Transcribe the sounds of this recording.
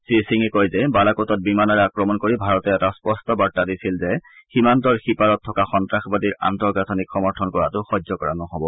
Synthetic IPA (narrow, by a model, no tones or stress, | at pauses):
sisiŋɛkɔjzɛbalakɔtɔt̚bimanɔɹɛakɹɔmɔnkoɹibʱaɹɔtɛɛtaspɔstɔbatːadisilzɛximantɔɹxipadɔtʰːɔkaxɔntɹaxbadiɹa̰ntɔɹɡatʰɔnikxɔmɔɹtʰɔnkɔɹatʊxɔzɔkɔɹanɔɦɔbɔ